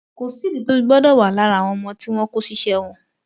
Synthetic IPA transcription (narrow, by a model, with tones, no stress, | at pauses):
ko˨si˦di˨to˦bi˦˧ɡ͡bɔ˦dɔ˦˨wa˨la˨˦ɾa˨w̃ɔ̃˧mɔ̃˧ti˦w̃ɔ̃˦ko˦si˦ʃɛ˧w̃ɔ̃˧